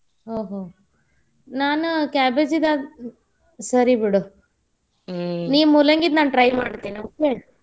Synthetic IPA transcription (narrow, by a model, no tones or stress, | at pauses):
ɦoːɦoː | naːnukaːbed͡ʒid̪a | sɐɾibiɽu | niːmulɐŋɡid̪naːnʈɾɐjmaːɽt̪ːiːnioːke